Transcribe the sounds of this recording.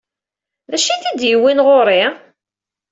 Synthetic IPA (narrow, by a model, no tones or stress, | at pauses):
ðæʃiθid̪jəwːinʁoɾˤi